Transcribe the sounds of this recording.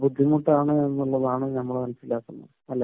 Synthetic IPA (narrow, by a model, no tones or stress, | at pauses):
bud̪ʱːimuʈːaːɳɨenːuɭːɐðaːɳɨnɐmːɐɭmɐnɐsilːaːk̪ːunːɐ̰ | ɐlːa